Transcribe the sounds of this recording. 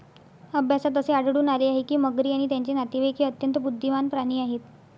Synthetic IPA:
əbʱjasat̪əseaɽɽuːnaleaɦekiːməɡɾiːaɽ̃it̪jaɲt͡ɕenat̪iʋekʰiːət̪jənt̪əbud̪ʱːimanpɾaɽ̃iːaɦet̪

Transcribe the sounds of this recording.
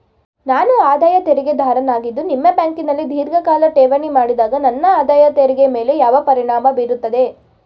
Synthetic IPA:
naːnuaːd̪aːjɐt̪eɾɛɡe̞d̪ʱaːɾɐnaːɡid̪ːunimːɐbjaːŋkinɐlːid̪ʱiːɾɡɐkaːlɐʈeːʋɐnimaːɽid̪aːɡɐnɐnːɐaːd̪aːjɐt̪eɾɛɡeme̞ːle̞jaːʋɐpɐɾiɳaːmɐbiːɾut̪ːɐd̪e̞

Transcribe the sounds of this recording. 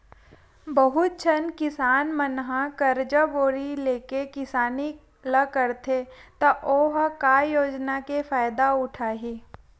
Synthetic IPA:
bɐɦʊt̪̚t͡ʃʰənkɪsaːnmənɦãkəɐɾd͡ʒəboːɾileːkekɪsaːni | ləkəɾt̪ʰet̪ɐʔoːɦkajoːd͡ʒnakefaːjd̪aʊʈʰaːɦiː

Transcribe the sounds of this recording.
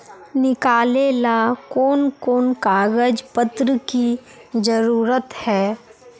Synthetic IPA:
nɪkaːlelakɔːnkoːnkaːɡəd͡ʒpət̪ɾəki | d͡ʒəɾuːɾət̪hɛː

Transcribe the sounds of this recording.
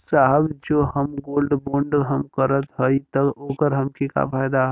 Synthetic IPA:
saɦəbd͡ʒoːɦəmɡoːlɖbõːɳɖɦəmkəɾət̪ɦəit̪əɡoːkəɾɦəmkika̰faːjd̪aɦ

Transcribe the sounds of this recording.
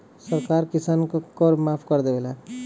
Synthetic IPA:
səɾkaːɾkisaːnkkɔɾmaːpʰkəɾd̪ebela

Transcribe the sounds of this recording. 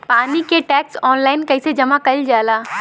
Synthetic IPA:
paːnikeʈɛːksɔːnlaːɪnkɐɪsed͡ʒɐmakɐld͡ʒaːlaː

